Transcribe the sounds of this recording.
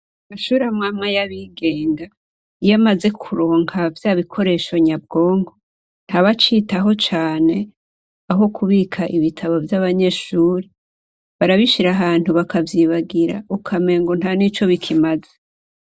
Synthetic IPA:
maʃuːɾamŋaːmŋajaβiɡe̞ːŋɡa | ijamaze̞kʰuɾoːŋɡavjaβikʰo̞ɾe̞ːʃo̞ɲab̚ɡo̞ːŋɡo̞ | n̥haβat͡ʃiːtaɦo̞t͡ʃaːne̞ | aɦo̞kʰuβiːkʰaʔiβitʰaβo̞vjaβaɲe̞ːʃuːɾe | βaɾaβiʃiɾaɦaːn̥uβakavjiβaɡiɾa̰ukʰame̞ːŋɡon̥hanit͡ʃo̞βikʰimaze

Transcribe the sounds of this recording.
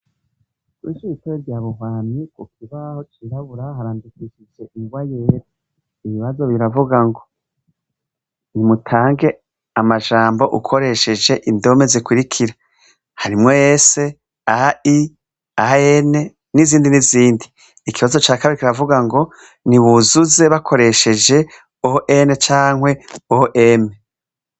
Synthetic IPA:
kwiʃuiteɾeɾɟaːβuɦwaːnikukʰiβaho̞t͡ʃiɾaβuɾahaɾaːndikiʃid͡ʒeʔiŋɡwajeːɾa | iβiβazo̞βiɾavuɡaŋɡo̞ | nimutʰaːŋɡe̞ | amaʒaːmbo̞ʔṵkʰo̞ɾe̞ʃe̞d͡ʒe̞ʔindome̞zekwiɾikʰiɾa | haɾimŋo̞jeːse̞ | aai | aene̞ | niziːndiniziːndiː | kiβazo̞t͡ʃaːkaβiɾikiɾavuɡaŋɡo̞ | niβuzuze̞βakʰo̞ɾe̞ʃe̞d͡ʒe̞ | oʔenet͡ʃaːŋ̥hwe̞oʔeme

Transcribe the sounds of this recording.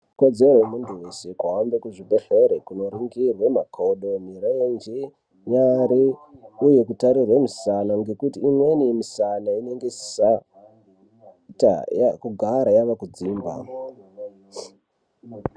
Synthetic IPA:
kod͡zeromuntʰuwesekwaambekuʐibʱeɬeɾekuno̞riŋɡirwemakʰoɗo̞mirend͡ʒi | ɲaɾiuje̞kutaɾirwamisanaŋɡe̞kutiːmwe̞nimisanaine̞ŋɡessa | ta̰akuɡʱaɾajaʋakud͡ziːmba̰

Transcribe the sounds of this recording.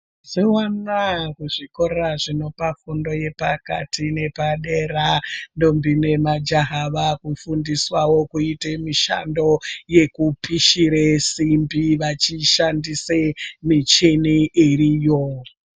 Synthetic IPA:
ziwanakuʐiko̞ɾaʐino̞pafundo̞je̞paka̰tʰine̞paɗerando̞mbinemad͡ʒaɦaʋakufundiswawokuitemiʃa̰ndo̞je̞kupiʃiɾesimbiʋat͡ʃiʃandisemit͡ʃeniʔirijo

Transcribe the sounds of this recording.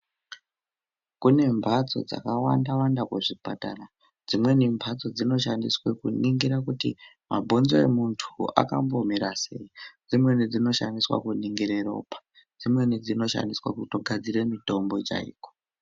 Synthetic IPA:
kune̞mbʱat͡so̞̰d͡za̰kawandawandakweʐipatara | d͡zimwe̞nimbʱat͡so̞d͡zino̞ʃandiswekuniŋɡiɾakutḭ | mabʱo̞nzoḛmuntʰua̰kambomiɾase̞id͡zimwe̞nid͡zino̞ʃandiswa̰kuniŋɡiɾe̞ro̞̰ːpḁ | d͡zimwe̞nid͡zino̞ʃa̰ndiswa̰kutoɡʱad͡zire̞mito̞mbo̞t͡ʃa̰ḭːko̥

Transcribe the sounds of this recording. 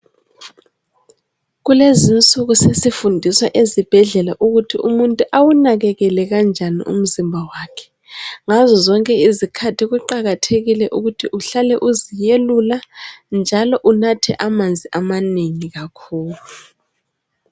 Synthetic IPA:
ɣulezint͡sʼuɣusesifundʱiswaʔezib̥ʱɛɮɛlaʔuɣutʰiʔumuntʼuʔawunaɣɛɣɛlɛɣand͡ʒʱanḭʔṵm̩zimbʱawaːkʰɛ̥ | ŋazɔzɔŋkʼɛizikʰatʰiɣuǃaɣatʰeɣilɛʔuɣutʰiʔuɬalɛʔuzijeluland͡ʒʱalɔʔunatʰɛ̰ʔamand͡zʱiʔamaneŋiɣakʰuːlu

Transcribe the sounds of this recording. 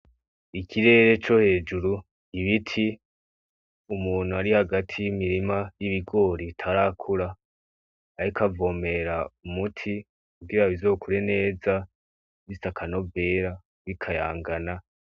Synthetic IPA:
ikʰiɾe̞ːɾe̞t͡ʃo̞he̞ːd͡ʒuɾu | iβitʰi | umuːn̥̤uaɾihaɡatʰijimiɾimajiβiɡo̞ːɾitʰaɾakʰuɾaː | ɾikʰavo̞ːme̞ɾaumutʰi | kuɡiɾaβizo̞ːkʰuɾe̞ne̞ːza | βisakʰano̞ve̞ːɾa | βikʰaja̰ːŋɡana

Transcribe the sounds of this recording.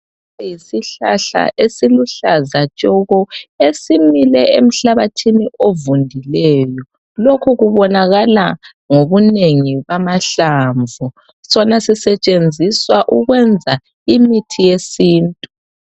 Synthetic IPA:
ɛjisiɬa̰ɬa̰ʔesiluɬazat͡ʃʼɔɣɔesimilɛem̩ɬaβatʰiniʔovundʱilɛːjɔ | lokʰuɣuβɔnaɣala | ŋoβuneŋiβamaɬaːɱvʱu | sɔnasisɛt͡ʃʼend͡zʱiswaʔuɣwɛnd͡zʱa | imitʰijesiːntʼu

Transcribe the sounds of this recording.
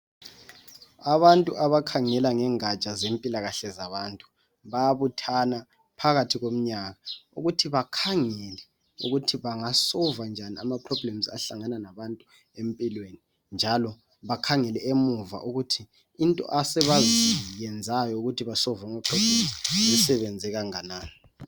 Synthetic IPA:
aβantʼuʔaβakʰaŋɛlaŋɛŋat͡ʃʼazempʼilaɣaɬɛzaβantʼu̥ | βaβutʰana | pʰaɣatʰiɣom̩ɲaɣaṵɣutʰiβakʰaŋɛlɛ | ṵɣutʰiβaŋasɔvand͡ʒʱania̰mapʰrɔblɛm̩za̰ɬaŋananaβantʼu | empʼilweni | nd͡ʒʱalɔ | βakʰaŋɛlɛemuva̰ʔuɣutʰiː | ntʼɔ̰ʔasɛβazijɛnd͡zʱajɔuɣutʰiβasɔvaamapʰrɔb̥lɛm̩ziisɛβɛnd͡zʱɛɣaŋanaːni

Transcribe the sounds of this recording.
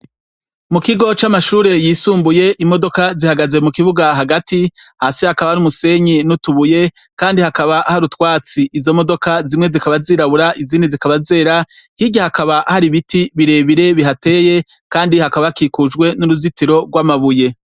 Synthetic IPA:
mukiɡo̞t͡ʃamaʃuːɾe̞jiːsuːmbuje̞ʔimo̞do̞kazihaɡaze̞mukiβuɡaɦaɡatihaːsihakaβaɾumuse̞ɲinutuβuje̞ | kaːndihakaβaahaɾutwaːt͡siʔːzo̞mo̞do̞kazimŋe̞zikaβaziːɾaβuɾaʔiziːnizikaβaze̞ːɾa | hiɟahakaβaʔahaɾiβitʰiβiɾe̞ːβiɾe̞βiɦate̞ːje̞ | kaːndihakaβakikud͡ʒɡwe̞nuɾuzitiɾo̞ɡwaːmaβuje̞

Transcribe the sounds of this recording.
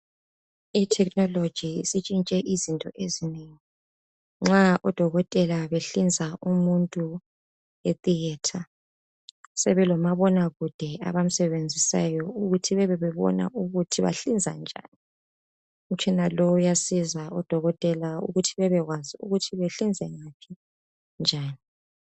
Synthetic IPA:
itʰɛk̚ʼnɔlod̥ʒ̥ʱisit͡ʃʼint͡ʃʼɛʔizintʼɔʔezineŋi | ŋ͡ǁaʔɔd̥ʱɔɣɔtʼɛlaβeɬind͡zʱaumuntʼu | et̪ʼiɛtʰa | sɛβɛlɔmaβɔnaɣud̥ʱɛa̰βam̩sɛβend͡zʱisa̰jɔuɣutʰiβɛβɛβɛβɔ̰na̰ʔuɣutʰiβa̰ɬind͡zʱa̰nd͡ʒʱa̰ːnii | ut͡ʃʰʼinalɔjasizaɔd̥ʱɔɣɔtʼɛlaṵɣutʰiβɛβɛɣwaziṵɣutʰiβeɬind͡zʱɛŋapʰi | nd͡ʒʱaːni

